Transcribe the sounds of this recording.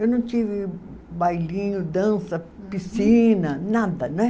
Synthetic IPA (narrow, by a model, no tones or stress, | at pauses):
ewnɐ̃w̃t͡ʃivɪ | bajlĩɲʊd̪ɐ̃sɐ | pisĩnɐnad̪ɐñ